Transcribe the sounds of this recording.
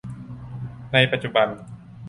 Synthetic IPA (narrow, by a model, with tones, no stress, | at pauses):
na˧jpa˧t̪̚t͡ɕu˧ba˧n